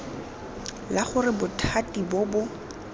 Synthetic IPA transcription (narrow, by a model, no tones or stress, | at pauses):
laχʊrɪbʊtʰatʼibɔbʊ